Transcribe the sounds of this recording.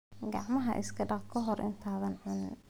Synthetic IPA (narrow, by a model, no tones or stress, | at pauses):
ɡɑʕmɐɦɐ̰ʔɪ̰skʰɐɖɑqkʰɐɦɔrʔɪ̰nt̪ʰaːðɐnʕʊn